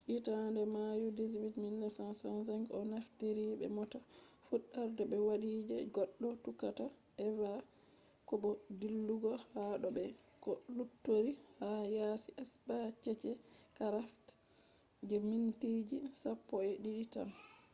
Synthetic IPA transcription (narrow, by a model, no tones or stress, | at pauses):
ʔitandɛmajudizwitmilːɛsansɔnsaŋɡɔnafteɾibɛ̰mɔtafuɗːaɾdɛbɛwaɗiːd͡ʒɛɡɔɗːɔtukata | ʔɛva | kɔɓɔdilːuɡɔhaɗɔbɛ | kɔlutːoɾihajasiʔɛsbat͡ʃɛt͡ʃɛkaɾaft | d͡ʒɛmintid͡ʒisapːɔɛɗiɗita̰n